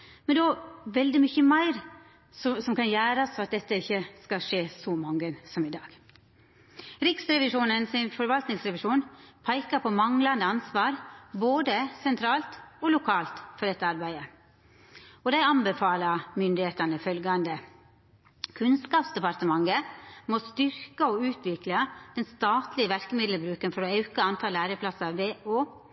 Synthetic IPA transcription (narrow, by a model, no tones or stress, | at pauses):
mɛnd̪ʋɛld̪ɪmʏçəmæɪɾ | sɔsɔmkɑnjæːɾɑsfɔɑt̪̚d̪ɛt̪ːəɪçːəskɑʂeːsɔmɑŋɡənsɔmɪd̪ɑːɡ̥ | ɾɪksɾɛʋɪʂuːnənsɪnfɔɾʋɑlt̪nɪŋsɾɛʋɪʂuːnpʰæɪkɑpʰɔmɑŋlɑnd̪əɑnsʋɑːɾboːd̪əsɛnt̪ʰɾɑːlt̪olʊkʰɑːlt̪fɔɖ̪ɛt̪ːəɑɾbæɪə | ɔd̪æɪɑmbəfɑːlɑmʏnd̪ɪheːt̪ɑnəfœlɡɑnd̪ə | kʰʉnskɑːpsd̪ɛpɑɾt̪əmɑŋəmost̪ʏɾkəɔʉːt̪ʰʋɪklɑd̪̥ɛnst̪ɑːt̪lɪəʋæɾkəmɪd̪ləbɾʉːkənfɔɾoːɑʉkəɑnt̪ʰɑːlæːɾəpʰlɑsɑʋeːoː